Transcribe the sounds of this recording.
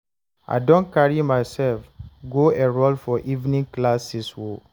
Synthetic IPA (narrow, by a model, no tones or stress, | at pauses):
a̰ɪdõnkaɹimaɪsɛlfɡoeɹolfɔʔivnĩŋklasiswo